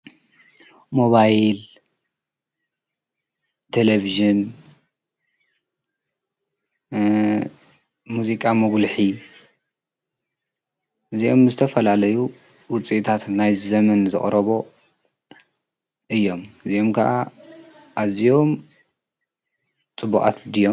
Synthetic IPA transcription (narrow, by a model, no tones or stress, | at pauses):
mo̞βajl | t̪ʰeleviʒɨn | muzikʼamɐɡlħi | ɨziʔo̞mzɨt̪ʰɐfɐlalɐju | wʊt͡sʼiʔt̪ʰat̪najzɐmɐnzɨ̰χʼɾɐβo̞ | ʔɨjːo̞mɨzio̞mkʰɐʔa | ʔazijo̞m | t͡sʼɨbuχʼa̰t̪d̪ɨjo